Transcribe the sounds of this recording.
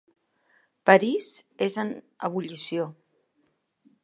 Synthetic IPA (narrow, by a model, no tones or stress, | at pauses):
pəɾiz̥ezən | ə̰β̞uʎisio